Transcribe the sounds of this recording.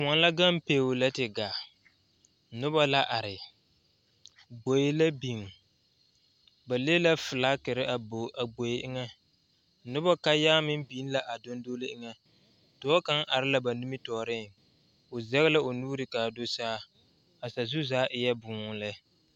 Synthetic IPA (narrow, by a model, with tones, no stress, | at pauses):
a˨n˦la˦ɡa˦m˦peː˨˦˨wʊ˨la˦tɪ˨ɡaː˨ | nʊ˦ba˦la˦ʔa˨ɾɪ˨ | ɡ͡bo˨jɪ˦la˦bi˨m˨ | ba˨leː˦la˦fɨ˨laː˦kɪ˨ɾɪ˦ʔa˨ba˨ɡ͡bo˨jɪ˦ʔɪ˦ŋɛ˦ | nʊ˦ba˦ka˦jaː˦mɪ˦m˦biː˨˦n˦la˨ʔa˨do˦n˦do˦lɪ˦ʔɪ˦ŋɛ˦ | tʊ˨˦ɔ˦ka˦ŋʔa˨ɾɪ˦la˦ba˨nu˦mɪ˦tɔː˨ɾɪ˦˨ | ʊ˨zɛ˦ɣɪ˦la˦o˨nuː˦ɾɪ˨kaː˨do˦saː˦ | a˨sa˨zʊ˦zaː˦ʔɪ˨jɛ˦bʊː˨˦ŋʊ˨lɛ˦